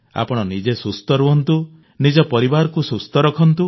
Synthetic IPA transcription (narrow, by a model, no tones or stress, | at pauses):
a̰pɔɽ̃ɔnid͡ʒesust̪ɔɾuɦɔnt̪u | nid͡ʒɔpɔɾibaɾɔkusust̪ɔɾɔkʰɔnt̪u